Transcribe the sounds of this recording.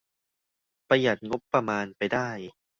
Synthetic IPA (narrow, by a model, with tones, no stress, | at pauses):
pa˧ja˨˩t̪̚ŋo˦˥pːɾa˧maː˧npa˧jdaː˥˩j